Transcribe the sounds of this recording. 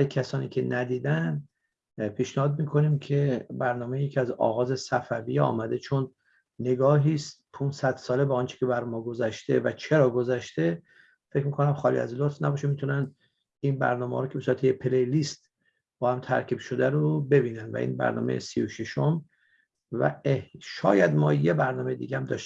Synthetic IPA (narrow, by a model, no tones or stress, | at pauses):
æjkʰæsɒːnḭːkʰe̞næd̪iːd̪ænd̪ | pʰiːʃnehɒːd̪̚miːkʰo̞nimkʰe̞bæɾnɒːmejjecʰiæzɒ̰ɣɒːze̞sæfævḭjɒ̰ːmæd̪e̞t͡ʃʰonː | e̞ɡɒːɦiːst̪̚pʰunsæd̪̥sɒːle̞bɒːɒnt͡ʃʰe̥cʰʲe̞bæɾmɒːɡo̞zæʃt̪ʰe̞væt͡ʃʰe̞ɾɒːɡo̞zæʃt̪e̞ | fecmiːkʰo̞næmχɒːlḭæ̰zlot̪fnæbɒːʃemit̪ʰunænd̪ | inbæ̰ɾnɒːmehɒ̰ɾocʰebesuɾæt̪ʰejepʰelejlist̪ | b̥ɒːhæmt̪ʰæ̰ɾkʰiːbʃo̞d̪æɾobe̞biːnænd̪væ̰ʔḭːnbæ̰ɾnɒ̰ːmḛḛsioʃeʃom | væ̰eʃɒ̰ːjæd̪mɒːjebæɾnɒːmejed̪iːɡæhæmd̪ɒ̰ːʃ